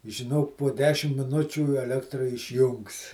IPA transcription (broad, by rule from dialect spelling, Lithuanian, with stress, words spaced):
ʒʲɪˈnoːk poː ˈdʲæːʃʲɪm mʲɪˈnʊt͡ʃʲuː ɛˈlʲæːktrɐ ɪʃʲˈjʊŋks